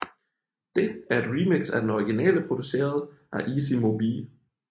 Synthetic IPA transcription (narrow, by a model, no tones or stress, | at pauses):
d̥e̝æɐe̝d̥ʁimeɡ̥sæd̥enɒʁiɡ̥inɛ̰ːləpʰʁo̝d̥use̝̰ːɐðˠʔæʔiːsimo̝biːl